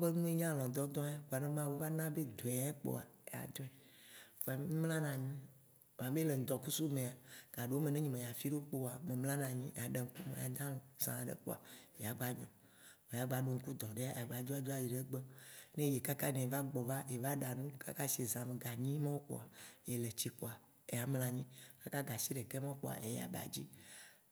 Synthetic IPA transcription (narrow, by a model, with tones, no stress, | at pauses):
o˦be˦nũ˦e˦ɲã˦lɔ̃˨d̪ɔ˦d̪ɔ̃˦a˦ɡo˨a˨nẽ˦mã˦wo˦va˦nã˦be˦d̪ɔ˨a˨e˦k͡po̰˦a̰˨e˨a̰˨d̪ɔ˦ɛ˨fa˨m˦ɲĩ˦mlã˦nã˨ɲĩ˦ | m˨ã˨be˦le˨ŋ̩˨d̪ɔ˨ku˦su˦mẽ˨a˨ɡ̥a˨ɖe˨wo˦me˨nẽ˦ɲĩ˨mẽ˨ja˨fi˦ɖo˦k͡po˦˨a˨me˨ml̃ã˦nã˨ɲĩ˦˨a˨ɖe˨ŋ̩˦ku˦mḛ̃˨ja˨d̪ã˦lɔ̃˨sã̰˨a˨ɖḛ˨k͡po̰˦a̰˨je˨a˨ɡ͡ba˦ɲɔ̃˨ | me˨ja˨ɡ͡ba˨ɖo˨ŋ̩˦ku˦d̪ɔ̃˨ɖe˦a˦˨a˨ɡ͡ba˨d͡ʒɔ˦a˦d͡ʒɔ˦a˨ji˨ɖe˦ɡ͡be˦nẽ˦je˨ka˦ka˦nɛ̃˨va˦ɡ͡bɔ˨va˦je˨va˦ɖa˨nũ˦ka̰˦ka˦si˨e˨zã˨me˨ɡa˨ɲĩ˦mã˦wo˦k͡po̰˦˨a˨je˨le˨t͡ɕi˦k͡po˨a˨ | e˨a˨ml̃ã˨ɲĩ˦ka˦ka˦ɡa˨si˦ɖe˨ke˦mã˦wo˦k͡po̰˦˨a̰˨ʔḛ˨ja̰˨ba̰˨d͡ʑi˦